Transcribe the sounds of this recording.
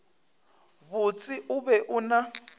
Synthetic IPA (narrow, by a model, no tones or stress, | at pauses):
βut͡sʼiʔuβɛʔuna